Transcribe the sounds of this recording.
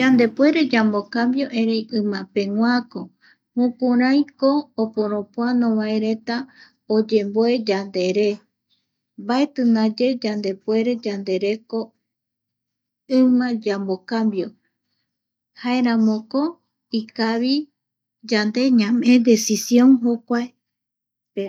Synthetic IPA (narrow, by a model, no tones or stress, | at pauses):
d͡ʒand̪e̞pwe̞ɾe̞d͡ʒambokambjo̞ʔẽɾejʔɨ̃mãpẽ̞ŋwʷako | mũkuɾãj̃koːpoɾõpoanõβaeɾe̞t̪a | od͡ʒe̞mboed͡ʒand̪e̞ɾe̞ | baet̪ɨnad͡ʒe̞d͡ʒand̪e̞pwe̞ɾe̞d͡ʒand̪e̞ɾe̞ko̞ | ɨmãd͡ʒamokambjo̞ | haeɾãmõko | ikaβi | d͡ʒand̪e̞ɲãmẽd̪e̞sisjõ̞ŋɦokʷae